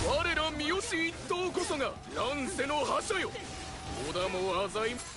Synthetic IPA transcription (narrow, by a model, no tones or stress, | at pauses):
βaɾe̞ɾamʲioɕiːt̪ːokosoɡa | nãñse̞nohaɕajo | od̪amoazai